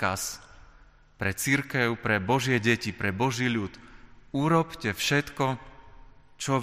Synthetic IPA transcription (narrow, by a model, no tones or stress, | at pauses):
as | pɾɛt͡siɾkɛʊpɾɛbɔʒɪɛɟɛcipɾɛbɔʒiːʎut̪uɾɔpcɛfʃɛt̪kɔ | t͡ʃɔ